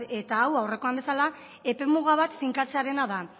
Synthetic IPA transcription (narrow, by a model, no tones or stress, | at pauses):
e̞t̪aːwawre̞ko̞ambe̞sala | e̞pe̞muɣaβ̞at̪fiŋkat͡se̞aɾe̞naða